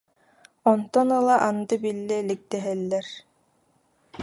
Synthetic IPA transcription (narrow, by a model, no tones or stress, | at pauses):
ɔnt̪ɔnɯlˠaʔand̪ɯbilːɛlik̚d̪ɛɦɛlːɛɾ